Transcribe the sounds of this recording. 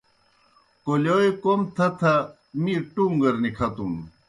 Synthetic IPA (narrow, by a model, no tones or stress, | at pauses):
koloekomt̪ʰɐt̪ʰɐ | miʈuŋɡɐɾnikʰɐt̪um